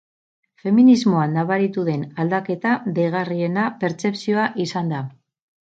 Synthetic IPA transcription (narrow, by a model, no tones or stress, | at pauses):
fe̞minizmo̞anːaβaɾit̪uðe̞nald̪ake̞t̪aðeɣ̞arie̞nape̞ɾt͡se̞psio̞aʔisand̪a